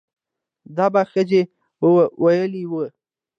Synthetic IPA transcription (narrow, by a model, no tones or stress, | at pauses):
d̪ɑbaxəze | wʔajəliwə